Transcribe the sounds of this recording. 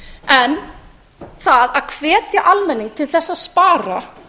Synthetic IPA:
ɛn | θaðaðkʰvɛːt̪jaʔalmɛnːiŋk̚t̪ʰɪlθɛsːaðspaːɾa

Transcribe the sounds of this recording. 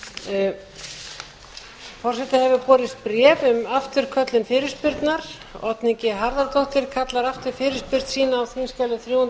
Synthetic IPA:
fɔrsɛt̪ahɛvʏpɔːɾɪst̪̚pɾɛːvʏmaft̪ʏɾ̥kʰœt̪lɪnfɪːɾɪɾ̥spɪɾt̪naɾ̥ | ɔt̪niɲcɪɦaɾðaɾt̪owht̪ɪɾ̥kʰat̪laɾaft̪ʏɾ̥fɪːɾɪspɪɾt̪siːnaːwθinskalɪθɾjuːan

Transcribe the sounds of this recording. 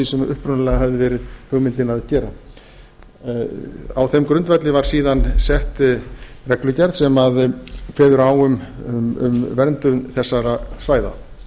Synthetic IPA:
isɛmʏhpɾʏnlɛːɣaɦɛvðɪvɛːɾɪðhʏɣmɪnt̪ɪnaðcɛːɾa | awθɛmkɾʏnt̪vɛt̪lɪvaɾ̥siːðansɛht̪rɛklʏcɛɾðsɛmaðkʰvɛːðʏɾaːwʏmʏ̰mvɛɾnt̪ʏmθɛsːaɾasvaːjða̰

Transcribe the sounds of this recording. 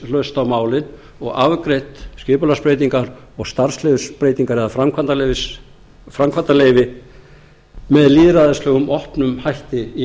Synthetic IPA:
lœst̪awmaːwlɪn | ɔɣavkɾejht̪scɪːpʏlaspɾejt̪̬iŋkaɾ | ɔɣst̪aɾ̥slɪvʏspɾeːjt̪iŋkaɾɛðafɾamkʰant̪alevɪ | fɾamkʰvant̪aleːjvɪ | mɛðliːðɾaðɪslœːɣʏmʔɔhpnʏmhajht̪ɪi

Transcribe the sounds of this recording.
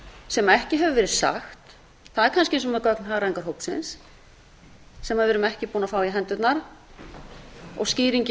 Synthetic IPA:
sɛmaɛhcɪɦɛvʏvɛːɾɪðsa̰xt̪ | θaðɛɾkʰanscɪẽːnsɔmɛðkœknhɦaːɾaɛŋkaɾ̥ɦowpsɪns | ɛmaðvɛːɾʏmɛhcɪpuːnafaːwɪɦɛnt̪ʏt̪naɾ | ɔ̰ɣsciːɾiɲc

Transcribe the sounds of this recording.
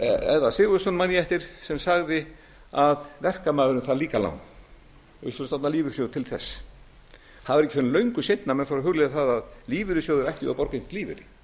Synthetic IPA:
ɛðasɪɣʏst̪ɔnmanjɛft̪ɪɾ̥sɛmsaɣðɪ | aðvɛr̥kamaːðʏɾʏmθaðliːkala̰wn | ʏ̰lfʏnsnat̪naliːvɪɾ̥s̬jowðt̪ʰɪlθɛ̰sː | haðɪɾɛhcːɪfɪnlœɥŋkʏsejt̪namɛðfaɾɦʏɣleːðaθaðaðliːvɪɾɪsjoːwðʏɾajhc̪ʏ̰apɔɾkejn̥t̪liːvɪ̰ɾɪ

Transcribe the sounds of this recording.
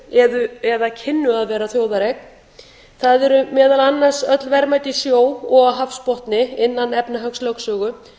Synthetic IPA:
ɛðʏɛðacʰɪnːʏaðvɛːɾaθjoːwðaɾek | θaðɛɾʏmɛːðalanːar̥sœt̪lvɛɾmajt̪ɪsjoːwɔɣaɦafspɔht̪nɪɪnːanɛpnaɦœkslœksœːɣʏ

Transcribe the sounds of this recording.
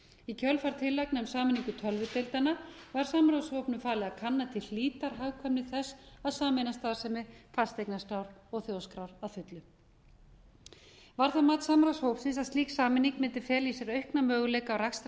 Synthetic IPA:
icʰœlfaɾ̥t̪ʰɪlːajknɛmsaːmɪniŋkʏt̪ʰœlvʏt̪ejlt̪anavaɾ̥saːmɾawsvowpnʏfaːlɪakʰanːat̪ʰɪlliːt̪aɾ̥ɦawkʰvɛmnɪθɛsaðsaːmɪnast̪aːðsɛmɪfast̪ejknast̪awɾɔɣθjowskɾawɾaðfʏt̪lʏ | vaɾ̥θaðmaːt̪saːmɾashowpsɪnsaðst̪iːksaːmɪnːiŋkmɪnt̪ɪ̥fɛːlisɛɾœɥhknamœːɣʏlejkaːwraks

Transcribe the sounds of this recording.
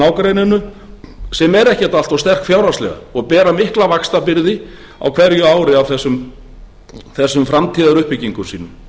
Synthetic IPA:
aːwkɾejnɪnːʏ | sɛmɛɾɛhcɛ̥t̪alt̪awst̪ɛr̥kfjaːwɾast̪lɛ̰ɣa̰ɔɣpɛːɾamɪhklavakst̪apɪɾðɪ | a̰wkʰv̥ɛɾjʏaːwɾɪawθɛsːʏm | θɛsːʏmfɾamt̪ʰiːðaɾʏhpɪcːiŋkʏsiːnʏm

